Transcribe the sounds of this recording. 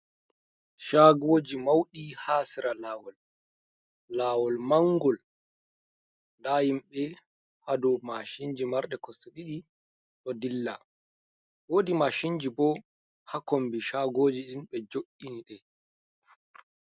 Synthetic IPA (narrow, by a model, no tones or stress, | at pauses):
ʃaɡoːd͡ʒimawɗihaːsiɾalaːwɔl | aːwɔlmaŋɡɔl | ndajimɓɛ | hadɔmaʃiɲd͡ʒimaɾɗɛkɔsɔɗiɗi | ɗɔdilːa | woːdimaʃiɲd͡ʒibɔ | hakombiʃaɡoːd͡ʒiɗinɓɛd͡ʒoʔːiniɗɛ